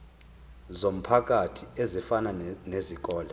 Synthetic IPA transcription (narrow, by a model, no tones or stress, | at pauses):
zom̩pʰak̬ʼatʰiezifananezik̬ʼɔːla